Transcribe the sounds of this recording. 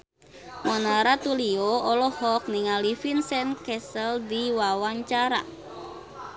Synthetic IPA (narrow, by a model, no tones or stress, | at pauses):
mɔnaɾat̪ulioɔlɔhɔk̚niŋalifinsɛnkɛsəldiwawaɲt͡ʃaɾa̰